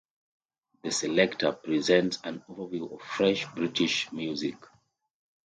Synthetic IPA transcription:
ðəsɛlɛktʰəpɹizɛ̃ntsãnovə˞viɔv̥fɹɛʃbɹitʰiʃmjuzik

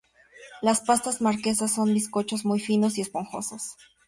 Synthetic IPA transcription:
laspast̪azmaɾke̞sasːo̞nd̪isko̞t͡ʃo̞zmujfino̞siespoŋxo̞̰sas

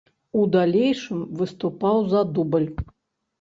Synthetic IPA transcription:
ud̪alʲejʂɨmvɨst̪upawzɐd̪ubəlʲ

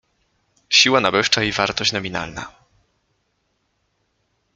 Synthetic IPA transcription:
ɕiwanabɘʂt͡ʂaivaɾt̪ɔɕt͡ɕnɔmʲina̰lna̰

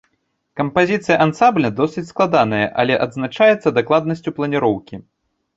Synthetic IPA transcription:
kɐmpazʲit̪sɨjɐʔansamblʲɐd̪ɔsʲɨt͡sʲsklˠad̪anɐjɐʔɐ̰lʲɛʔɐd̪znat͡ʂajɛt̪sːɐd̪aklˠad̪̚nɐsʲt͡sʲuplˠɐnʲiɾɔwkʲi

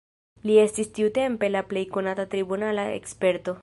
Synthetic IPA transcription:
lie̞stistiute̞mpe̞laple̞jko̞natat̪ɾibunalae̞̰kspe̞ɾto̞

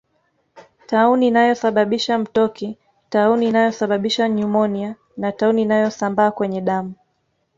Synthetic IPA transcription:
tauniːnajɔsaɓaɓiʃam̩tɔki | tauniːnajɔsaɓaɓiʃaɲumɔnia | natauniːnajɔsambaːkwɛɲɛɗamu

